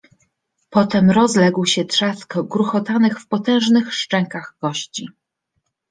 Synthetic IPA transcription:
pɔt̪ɛmɾɔzlɛɡwɕɛt̪ʂaskɡɾuxɔt̪anɘxfpɔt̪ɛ̃w̃ʐnɘxʂt͡ʂɛŋkaɣɡɔɕt͡ɕi

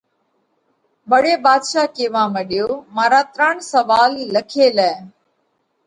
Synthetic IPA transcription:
bəɽeːbaːd̪ʃaːkeːʋãːməɗɪjoːmaːɾaːt̪ɾaɳsəʋaːlːəkʰeːlɛː

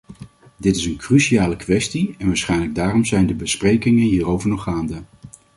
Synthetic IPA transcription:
dɪtɪsənkryʃiaːləkʋɛstiɛnʋaːɹsχɛjnləɡ̚daːrɔmzɛjndəbəsprejkɪŋənɦiːrowvəɹnɔχaːndə

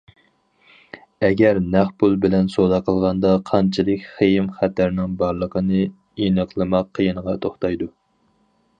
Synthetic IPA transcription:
ɛɡʲɛɾnæχpulˠbɪlɛnsod̪ɑqʰəlˠʁɑnd̪ɑqʰɑnt͡ʃʰilˠɨkʲχejɪmχæt̪ʰæɾnɪŋbɑɾlˠəqʰənɨ | inəqʰlˠɨmɑqʰːəjinəʁɑt̪ʰoχt̪ɑjd̪u

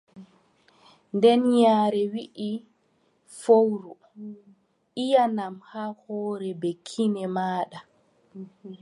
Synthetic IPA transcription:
ndɛnɲaːɾɛwiʔi | fowɾu | ʔijanamhahɔːɾɛbekʰːinɛmaːɗa

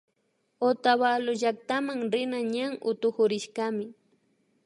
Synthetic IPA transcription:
ot̪aβaloʒak̚t̪amaŋɾɪnaɲaŋʔʊt̪ʊxʊɾɪʃɢamɪ

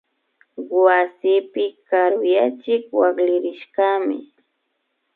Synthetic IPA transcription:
wasɪpɪkaɾʊjat͡ʃɪkwaklɪɾɪʃkamɪ̰

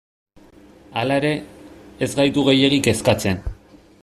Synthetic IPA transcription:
alae̞ɾe̞ːzɡajt̪uɣ̞e̞je̞ɣike̞skat͡se̞n

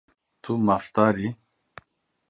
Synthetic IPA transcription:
t̪ʰumaft̪aːɾi

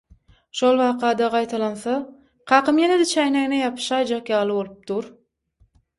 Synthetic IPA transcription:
ʃolˠβɑːqʰɑːd̪ɑʁɑjt̪ʰɑlˠɑnθɑ | qʰɑːqɯmjened̪et͡ʃʰæjnæŋnejɑpʰɯ̥ʃɑjd͡ʒɑqjɑːlˠɯβo̞lˠɯp̚d̪uɾ

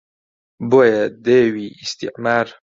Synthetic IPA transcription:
bojed̪ewiist̪ḭqmaːɾ

